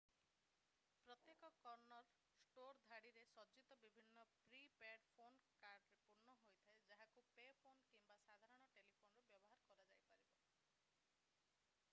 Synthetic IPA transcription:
pɾɔt̪jekɔkɔɾnɔɾ | sʈoɾd̪ʱaɽiɾesɔd͡ʒit̪ɔbibʱinːɔpɾipeɖpʰonkaɾɖɾepuɾɳɔɦojt̪ʰaed͡ʒaɦakupepʰonkimbasad̪ʱaɾɔɽ̃ɔʈelipʰonɔɾubjɔbɔɦaɾɔkɔɾad͡ʒajpaɾibɔ

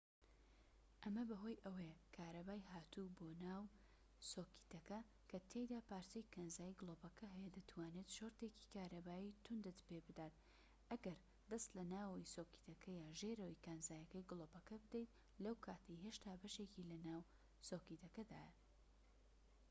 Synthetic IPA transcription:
ʔɐmɐbɐɦo̞ːjʔɐwekʰaːɾɐbaːjɦaːt̪uboːnaːw | soːki̥t̪ɐkɐ | kʰɐt̪ʰejd̪aːpaːɾtɐjkʰɐnzaːjiɡɨlˠoːbɐkʰɐɦɛjɛd̪ɐt̪ʰwaːnet̪ʃoɾt̪eci̥kʰaːɾɐbaːjit̪ʰʊnd̪ɨt̪pebɨd̪aːt̪̚ | ʔɐɡɐɾ | d̪ɐst̪lɐnaːwisoːki̥t̪ɐkʰɐjaːʒeɾɐwikanzaːjɐkɐjɡlˠoːbɐkɐbɨd̪ejt̪̚ | lɐwkʰaːt̪ʰɐjɦeʃt̪ʰaːbɐʃecilɐnaːw | soːkit̪ʰɐkɐd̪a̰ːjɐ

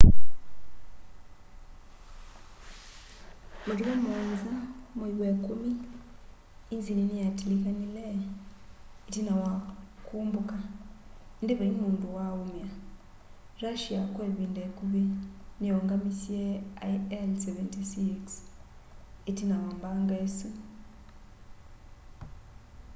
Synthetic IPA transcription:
maliwamonzamuiwekumi | nzininijatilikanile | itinawakuːmbuka | ndiβaimuːnduwaumja | ɾaʃiakweβiːndekuβinijoŋɡamisjeaielseβentisiks | etinawambaːŋɡasi

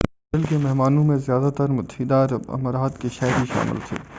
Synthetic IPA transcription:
ɾəlkemɛɦmaːnõmẽzjaːd̪at̪əɾmʊt̪ɦid̪aːɾɐ̰məɾaːt̪keʃɛːɾiʃa̰ːmɪ̰lt̪ʰḛː

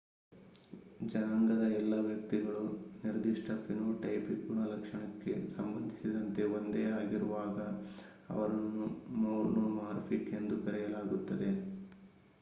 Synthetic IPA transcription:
d͡ʒɐnaːŋɡɐd̪ɐɛlːɐʋjɐk̚t̪iɡɐɭuniɾɐd̪iʂʈɐpinoːʈɐjpipuɳɐlɐkʂɐɳɐkːe̞̰sɐmbɐnd̪ʱisid̪ɐnt̪e̞ond̪eːaːɡiɾuʋaːɡɐ | ɐ̰ʋɐɾɐnːumoːɾnomaːɾpʰike̞nd̪ubɛɾɛjɐlaːɡut̪ːɐd̪e̞

